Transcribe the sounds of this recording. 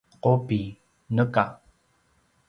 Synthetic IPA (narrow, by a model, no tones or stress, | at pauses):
qopi | nəka